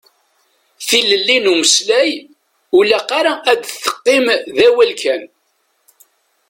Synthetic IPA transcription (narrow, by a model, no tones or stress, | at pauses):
θiləlːinuməslæj | ulæqɑɾaʔæd̪θːə̥qːɪmðæwælkæn